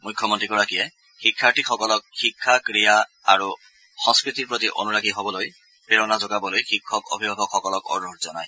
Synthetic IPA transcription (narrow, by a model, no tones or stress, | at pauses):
mʊjkʰːɔmɔntɹikɔɹakiɛ | xikʰːaɹtixɔkɔlɔk̚xikʰːakɹija | aɹu | xɔ̃ŋskɹit̪iɹpɹot̪iʔo̰nuɹaɡiɦobɔloj | peɹɔnazɔɡabɔlojxikʰːɔko̰bʱibʱabʱɔkxɔkɔlɔkɔ̰ɹutzɔnaj